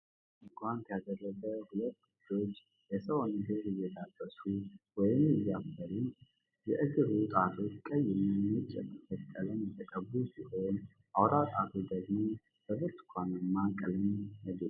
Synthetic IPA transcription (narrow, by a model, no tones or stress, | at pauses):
ɨɡʷant̪ʰjad̪ərːəɡəhulət̪ːɡudo̞t͡ʃː | jɛsəwonɡɨɾɪjɛd̪abəsuwɔjɪmɛjafːəlun | jɛʔɨɡɨɾut̪ʼat̪ʰo̞t͡ʃːkʼəjɪmmɨt͡ʃʼɛ̰t̪ːəfət̪ʼːələnjɛt̪ʰəkʼəbusihojn | ʔawɾat̪ʼat̪ʰud̪əɡmo | b̥əbɨt̪kʷʰanmːakʼɨlməd̪u